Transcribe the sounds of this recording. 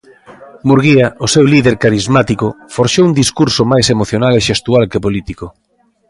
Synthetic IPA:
muɾɣiaʔosewliðeɾkaɾizmat̪ikʊfoɾʃowund̪iskuɾsʊmajsemoθjonaleʃest̪ualkepolit̪iko

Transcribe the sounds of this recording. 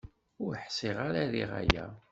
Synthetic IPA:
ʊɾħsiʁaɾaðiʁa̰jæ̰

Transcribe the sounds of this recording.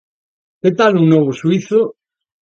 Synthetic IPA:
ket̪aluŋnoβ̞osuiθo

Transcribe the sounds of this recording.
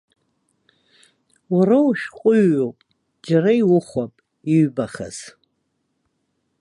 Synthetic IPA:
urawuʃᶣqʷʼʊɥːopʼ | d͡ʒaraiwʊχʷapʼ | iɥbaχa̰z̥

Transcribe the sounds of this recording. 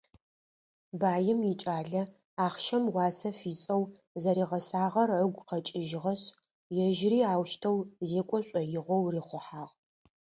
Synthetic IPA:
baːjɪmjɪt͡ʃʼaːɮɐ | aːχʃɐmwɑːsɐfiːt͡sʼɐw | zɐɾiːʁɐsaːʁɐrəɡʷqɐt͡ʃʼɪʒɪʁɐɕ | jɛʒriːaːwʃtʰɐwzeːkʷʼɔɕʷʼɔjɪʁʷɔwriːχʷʊħaːʁ

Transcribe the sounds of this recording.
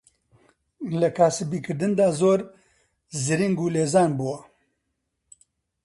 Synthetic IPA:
lɐkʰaːsɨbiːkɨɾd̪ɨnd̪aːzoːɾ | zɨɾiŋɡuːleːzaːnbuwa

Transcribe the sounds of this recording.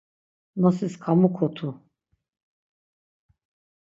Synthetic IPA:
nɔsiskʰamukʰɔt̪ʰu

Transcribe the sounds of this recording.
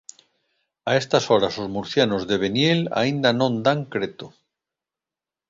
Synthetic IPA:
aest̪asoɾasozmuɾθjanozðeβ̞enjela̰ind̪anõnd̪aŋkɾet̪o

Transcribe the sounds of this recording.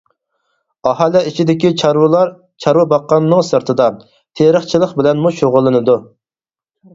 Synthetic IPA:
ɑhɑlɛit͡ʃʰid̪ɪkʲiɾwˠɑɾ | t͡ʃʰɑɾwɨbɑqːɑnːɨŋsɨɾt̪ʰɨd̪ɑ | t̪ʰeɾəχt͡ʃʰilˠəχbɪlɛnmuʃoʁʊlˠːɨnɨd̪u

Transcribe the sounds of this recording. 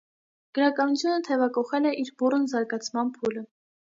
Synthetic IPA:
ɡ̥əɾɑkɑnut͡sʰjunət̪ʰɛvɑkɔχɛlɛʔiɾburnzɑɾɡɑt͡sʰmɑnpʰulə

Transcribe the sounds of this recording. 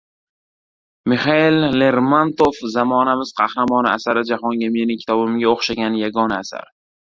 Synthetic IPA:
mɪχaɪlːe̞ɾmant̪ofzamɒnamɪz̥qʰɑhɾamɒnɪasaɾɪd͡ʒahɒŋɡʲame̞nɪŋkʲʰt̪ʰɒbɪmɡʲaoχʃaɡʲanjaɡɒnaːsa̰ɾ

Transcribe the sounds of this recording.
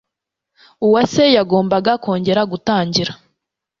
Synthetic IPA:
uwasejaɡo̞ːmbaɡakʰo̞ːɲɟe̞ɾaɡutaːɲɟiɾa

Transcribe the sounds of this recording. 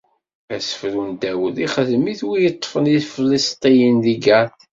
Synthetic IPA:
æsə̥fɾund̪æwəðiχəðmiθwijət̪ˤːfəniðflist̪ˤijənðiɡæθ

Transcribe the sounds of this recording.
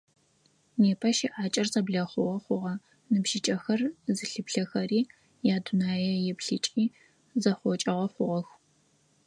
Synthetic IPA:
neːpʰɐʃiʔaːt͡ʃʼɐrzɐbɮɐχʷʊʁɐχʷʊʁɐ | nɨbʒɪt͡ʃʼɐxɐrzɨɬɨpɬɐxɐriː | jaːdʊnaːjɛjɛpɬɨt͡ʃʼiː | zɐχʷɔt͡ʃʼɐʁɐχʷʊʁɐx

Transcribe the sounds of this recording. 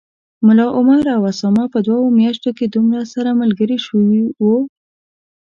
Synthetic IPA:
mʊlɑʔʊmaɾawasɑmɑpəd̪wawomjaʃt̪oked̪umɾasaɾamalɡəɾiʃəwiwu

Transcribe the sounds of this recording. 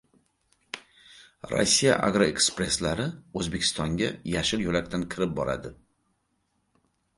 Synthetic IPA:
ɾo̰sːija̰ʔa̰ɡɾoe̞kspɾe̞slaɾɪɵzbe̞kʲʰɪ̥st̪ɒŋɡʲajaʃɪɾjolakʲt̪ʰankʲʰɪɾɪp̚bɒɾa̰d̪ɪ

